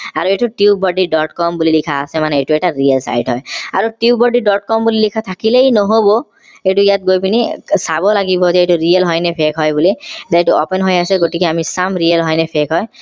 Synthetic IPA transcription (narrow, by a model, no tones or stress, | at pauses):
aɹueʈuʈiubɔɖiɖɔʈkɔmbulilikʰaːsɛmanɛeʈuɛʈaɹijelsa̰jʈɦɔjaɹuʈiubɔɖiɖɔʈ̚kɔmbulilikʰat̪ʰakilejnɔɦobɔ | etuijat̚ɡojpinisabɔlaɡibɔzɛetuɹielɦɔjnɛpʰekʰɦɔjbulizajtuɔpenɦojasɛɡoʈikiamisamɹielɦɔjnɛpʰekʰɦɔj